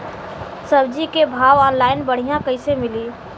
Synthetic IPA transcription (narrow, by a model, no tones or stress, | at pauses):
sɐbd͡ʒikebʱaːʋɔːnlaːɪnbɐɽ̤ijãkɐɪsemɪliː